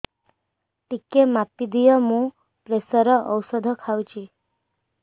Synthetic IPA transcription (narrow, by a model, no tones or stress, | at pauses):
ʈikemapːid̪ijəmũ | pɾesəɾəʔəwsəd̪ʱəkʰawt͡ʃʰi